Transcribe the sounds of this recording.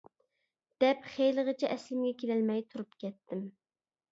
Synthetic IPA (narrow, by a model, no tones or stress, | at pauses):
d̪̥ɛpχejləʁət͡ʃʰɛʔɛslɪmɡʲɛkʲʰelɛlmɛjt̪ʰuɾupkʲɛt̪ʰːɪm